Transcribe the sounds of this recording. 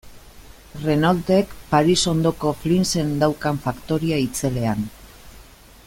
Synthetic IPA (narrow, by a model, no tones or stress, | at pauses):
re̞nalt̪e̞kpaɾiso̞nd̪o̞ko̞flinse̞nd̪awkaɱfakt̪o̞ɾiait͡se̞le̞an